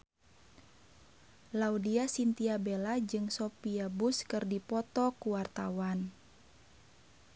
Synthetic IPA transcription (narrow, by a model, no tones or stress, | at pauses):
laudiasint̪iabelad͡ʒɨŋsɔpiabuskɨrdipɔt̪ɔkuwart̪a̰wan